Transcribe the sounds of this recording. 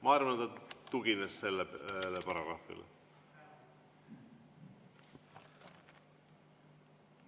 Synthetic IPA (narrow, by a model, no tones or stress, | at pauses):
mɑːiɾmɑnt̪ɑt̪uɡ̥inesse̞lːelːepɑɾɑɡ̥ɾɑ̰ːfḭlḛ